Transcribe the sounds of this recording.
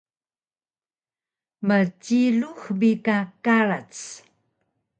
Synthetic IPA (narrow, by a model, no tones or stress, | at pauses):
mət͡ɕiɮuxbikakaɾat͡s